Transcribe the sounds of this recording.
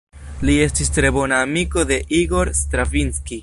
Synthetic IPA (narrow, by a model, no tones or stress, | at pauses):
lie̞stistɾe̞bo̞naːmiko̞de̞ʔiɡo̞ɾstɾavinski